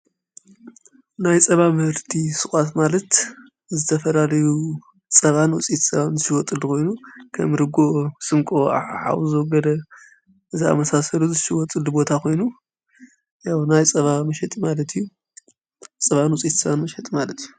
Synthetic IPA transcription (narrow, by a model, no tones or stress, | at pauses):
najt͡sʼɐβamɨhɨɾt̪ʰisɨxʷʼat̪malɐt̪ | zɨt̪ʰɐfɐlalɐju | t͡sʼɐβanwɔt͡sʼit̪sʼɐβanzɨʃiwɔt̪ʼɨlukʰo̞jnukʰɐ̰mɾɨɡosʼɨmkʼoa̰ħa̰wuzɨwɔɡɐd̪ɐ | ʔɨzia̰mɐsasɐluzɨʃɪwɔt̪ʼɨlubo̞t̪ʰakʰo̞jnu | jawnajt͡sʼɐβamɐʃɛt̪ʼmalɐt̪ʰijːu | t͡sʼɐβanwɔt͡sʼit̪sɐβanmɐʃɛt̪ʼmalɐt̪ʰju